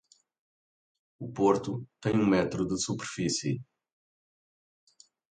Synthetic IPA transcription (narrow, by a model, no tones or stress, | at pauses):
upoɾt̪ut̪ẽj̃ũmɛt̪ɾud̪ɨsupeɾfisḭ